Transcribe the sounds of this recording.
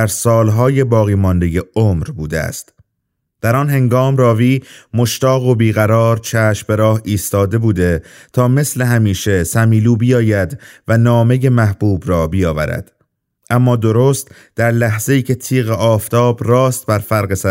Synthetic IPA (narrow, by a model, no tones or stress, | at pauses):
æɾsɒːlɦɒːje̞bɒːɣiːmɒnd̪e̞je̞omɾbuːd̪ḛæ̰st̪ | d̪̥æɾɒːnɦe̞ŋɡɒːmrɒːviːmo̞ʃt̪ɒːɣo̞biːɣæɾɒːɾt͡ʃʰæːʃmbe̞ɾɒːhiːst̪ɒːd̪e̞buːd̪e̞t̪ʰɒːme̞sle̞ɦæmiːʃe̞sæmiːluːbijɒːjæd̪vænɒːme̞je̞mæhb̥uːbɾɒːbijɒːvæɾæ̰d̪̥ | ʔæmːɒːd̪o̞ɾoːst̪ | d̪̥æɾlæɦz̥e̞iːcʰe̞t̪ʰiːɣeʔɒːft̪ʰɒːbrɒːst̪̚bæɾfæɾɣesæ